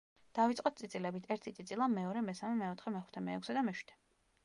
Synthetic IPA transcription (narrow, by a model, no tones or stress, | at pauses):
d̪̥avit̪sʼɔt̪t̪sʼit̪sʼilɛbit̪ʰɛɾt̪ʰit̪sʼit̪sʼilˠamɛɔɾɛmɛsamɛmɛɔt̪ʰχɛmɛχu̥t̪ʰɛmɛɛkʰsɛd̪amɛʃwi̥t̪ʰɛ̥